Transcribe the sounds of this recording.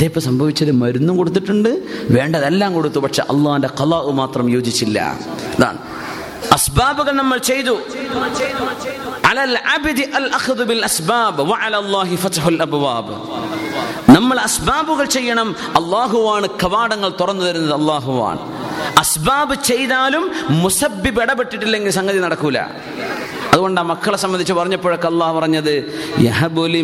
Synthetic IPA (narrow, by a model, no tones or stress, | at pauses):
ɐðeːpːomsɐmbʱɐʋit͡ɕːɐðɨmɐɾunːumko̞ɽut̪̬ːiʈːuɳɖɨʋe̞ːɳɖɐðelːaːmko̞ɽut̪ːupɐʈʂe̞̰ʔɐ̰lˠːaːhinde̞qɐðaːʔɨmaːt̪rɐmjoːd͡ʑit͡ɕːilːɐ̰ | ɐða̰ːɳ | ɐsbaːbuɣɐɭnɐmːɐɭt͡ɕe̞jt̪u | ʔalɐlʕabd̪iʔɐlʔɐxðubilʔɐsbaːbʋɐʕalaːlˤːɑːɦifɐtɦulɐbwaːb | nɐmːɐɭɐsbaːbuɣɐɭt͡ɕe̞jːɐɳɐm | ɐlˠˤːaːɦuʋaːɳɨkɐʋaːɽɐŋːɐɭt̪urɐnːuðɐɾunːɐðɨɐlːaːɦuʋa̰ːɳɨ̰ | ɐsbaːbɨt͡ɕe̞jðaːlumːusɐbːibeɽɐpeʈːiʈːilːe̞ŋɡilsɐŋɡɐðinɐɽɐkːuilːɐ̰ | ɐðuɣo̞ɳɖaːmɐkːɐɭesɐmbɐnd̪it͡ɕːɨpɐrɐɲːɐpːoːɻɐkːeɐlːɑːhupɐrɐɲːɐðɨjɐ̰ɦɐboli